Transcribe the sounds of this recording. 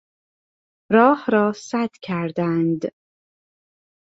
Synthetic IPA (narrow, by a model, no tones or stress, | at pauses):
ɾɒːhɾɒːsæd̪̥cʰæɾd̪ænd̪